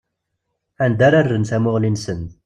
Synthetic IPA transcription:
ænd̪æɾarːənθæmʊʁlinsən

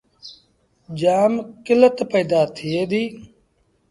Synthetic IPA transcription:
d͡ʒaːmkɪlət̪pəːd̪aːt̪ʰɪeːd̪iː

